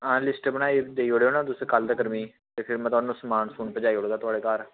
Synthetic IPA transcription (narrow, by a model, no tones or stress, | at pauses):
ãːlɪsʈbənaːiːd̪eːiːoːɽeːoːnãːt̪ʊsẽkəld̪aːkəɾmiː | t̪eːpʰɪɾmɛ̃t̪ʊaːnũːsəmaːnsuːnpəd͡ʒaːiːɦoːɽɡ̪aːt̪ʊaːɽeːkaːɾ